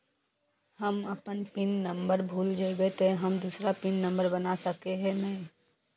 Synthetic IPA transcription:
hɐmɐpənpɪnːə̃mbəɾbʱuːld͡ʒeːbet̪eɦɐmd̪usɾapɪnːə̃mbəɾbɐnasɐkeɦɛ̃mɛ̃

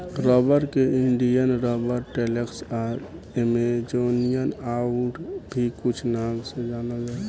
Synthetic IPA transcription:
ɾɔbəɾkeɪɳɖijənɾɔːbəɾʈeleksaɾ | emed͡ʒonijənaʊʈbʱikʊt͡ʃʰnaːmsed͡ʒaːnəd͡ʒa

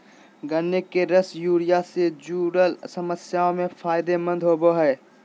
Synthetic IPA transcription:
ɡənːekeɾəsjuːɾɪjased͡ʒuːɾəlsəməsjaːõmẽfʰaːɪd̪emə̃nd̪ʱɦoːboɦɛː

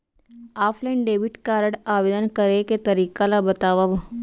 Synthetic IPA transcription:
aːfʰleːɳɖeːʋiʈkaːɾəɽaːʋeːd̪ənkɐɾeket̪ɐɾiːkalabɐt̪aːʋəʋ

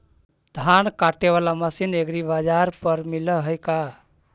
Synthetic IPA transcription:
d̪ʱankaʈeβalaməsineɡɾibad͡ʒaɾpəɾmiləɦəjka

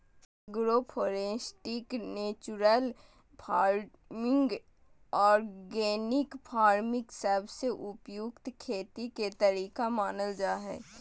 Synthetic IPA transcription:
ɡɾopʰoːɾẽːsʈɪkneːt͡ʃuɾəl | pʰaːɾ | mɪ̃ŋɡ | ɔːɾɡeːnɪkpʰaːɾmɪksəːbseʔʊpjʊkt̪kʰeːt̪iket̪əɾiːkamaːnəld͡ʒaːɦɛ̰ː

